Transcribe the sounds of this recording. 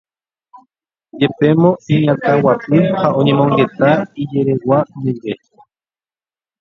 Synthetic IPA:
jepemõiɲakawat͡ɬiwhaʔoɲimoŋɡet̪aijeɾewaniwe

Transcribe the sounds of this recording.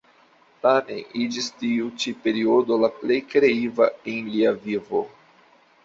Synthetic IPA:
tame̞̰nid͡ʒistiut͡ʃipe̞ɾio̞do̞laple̞jkɾe̞ivaenliavivo̞

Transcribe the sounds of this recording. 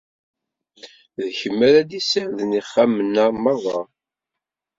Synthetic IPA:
ðçəmːæɾæd̪isəɾðniχːamənːamɑðˤɑ

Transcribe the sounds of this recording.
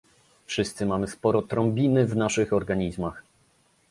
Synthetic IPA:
fʂɘst̪sɘmamɘspɔɾɔt̪ɾɔ̃mbʲinɘvnaʂɘxɔɾɡaɲizmax

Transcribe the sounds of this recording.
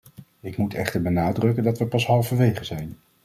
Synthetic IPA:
ɪkmutɛχtəɹbənaːdrɵkəndɑtʋəpɑsɦɑlˠvəʋejχəzɛjn

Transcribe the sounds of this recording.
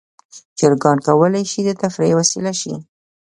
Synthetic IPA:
t͡ʃəɾɡɑɳkawəlajʃid̪ət̪afɾewasilaʃi

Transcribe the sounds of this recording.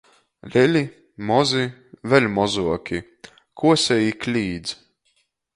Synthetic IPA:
lʲɛlʲi | mɔzivɛlʲmɔzuɔkʲi | kʰuɔsʲɛjiklʲiːd̪z

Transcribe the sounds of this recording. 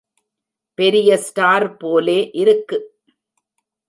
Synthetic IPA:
pɛɾɪjɐsʈaːɾpoːleːʔɪɾɯkːɯ

